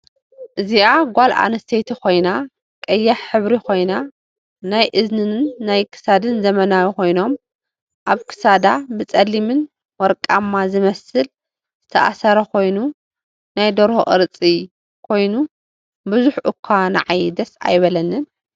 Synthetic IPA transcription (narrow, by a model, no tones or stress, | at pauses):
ʔɨziʔaɡʷalʔa̰nɐst̪ʰet̪ʰikʰo̞jna | kʼɐjːaħħɨβɾikʰo̞jna | najʔɨznɨnnːajkʰɨ̥sad̪ɨnzɐmɐnawiko̞jno̞m | ʔaβkʰɨ̥sad̪abɨt͡sʼɐlːimɨn | wɔɾkʼamːazɨmɐsɨl | zz̥ɨt̪ʰɐʔa̰sɐɾɐkʰo̞jnu | najd̪oɾhoʔʼɨɾɨt͡sʼi | kʰo̞jnu | bɨzuħʔɨkʰːana̰ʕajd̪ɐsa̰jβɐlɐnːɨn